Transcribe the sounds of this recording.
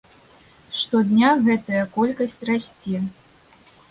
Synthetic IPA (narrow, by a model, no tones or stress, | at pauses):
ʂt̪ɔd̪nʲaɣɛt̪ɐjɐkɔlʲkɐsʲt͡sʲrasʲt͡sʲɛ